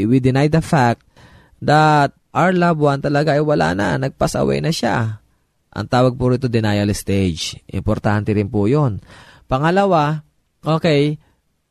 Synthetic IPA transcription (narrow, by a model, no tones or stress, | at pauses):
wid̪ɪnajd̪ɐfak̚t̪̚ | d̪ɐt̪̚ʔaɹlabwant̪ɐlɐɡaʔɐjwɐla̰ːnɐ̰nɐɡ̚pasɐ̰wɛ̰jnɐʃa̰ | ʔɐ̰ŋt̪aːwɐɡ̚pʊɾit̪od̪ɪnajɐlɪst̪ejd͡ʒʔɪ̰mpoɾt̪ant̪ɛɾɪnpujo̞npɐŋɐlɐwa | ʔo̞ːkɛj